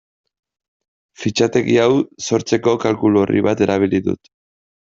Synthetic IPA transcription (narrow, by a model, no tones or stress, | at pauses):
fit͡ʃat̪e̞ɣiawso̞ɾt͡se̞ko̞kalkulorḭβat̪e̞ɾaβ̞iliðṵt̪